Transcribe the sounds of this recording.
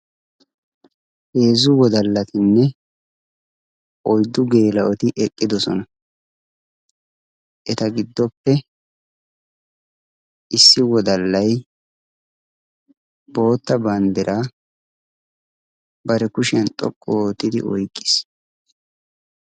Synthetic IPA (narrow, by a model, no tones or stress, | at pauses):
he̞ːzʊwɔd̪ɐlːɐt̪ɪnːɛ | ʔɔjd̪ːʊɡe̞ːlɐʔɔt̪ɪʔɛkʼːɪd̪ɔsɔ̰nɐ | ʔɛt̪ɐɡɪd̪ːɔpːɛ | ʔɪsːɪwɔd̪ɐlːɐj | b̥o̞ːt̪ːɐbɐnd̪ɛɾʔaː | bɐɾɛkʊʃɛnt̪ʼɔ̰kʼːɔːt̪ːɪd̪ɪ̰ʔɔjkʼːɪ̥s